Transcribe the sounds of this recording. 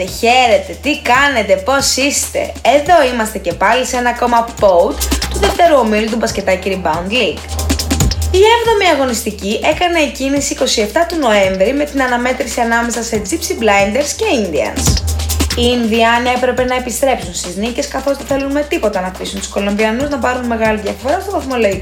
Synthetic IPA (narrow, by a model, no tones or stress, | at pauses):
eçe̞ɾe̞t̪e̞t̪ikɐne̞t̪e̞po̞sist̪e̞̰ezðo̞imɐst̪e̞ce̞pɐlise̞nɐko̞mɐpout̪t̪uðe̞ft̪e̞ɾuo̞milut̪ubɐsce̞t̪ɐciɾibɐund̪liɡ | ievðo̞miɐɣo̞nist̪iciʔe̞kɐne̞ːcinisiːko̞sie̞ft̪ɐt̪ono̞e̞ɱvɾime̞t̪inɐnɐme̞t̪ɾisiɐnɐme̞sɐse̞d͡zipsiblɐjnd̪e̞ɾsce̞ind̪iɐ̰nsiinðiɐːne̞pɾe̞pe̞nɐepist̪ɾe̞psunst̪iznice̞skɐθo̞zðeθe̞lunme̞t̪ipo̞t̪ɐnɐft̪isunt̪u̥sko̞lo̞mbiɐnuznɐpɐɾunme̞ɣɐliðʝɐfo̞ɾɐst̪ovɐθmoloi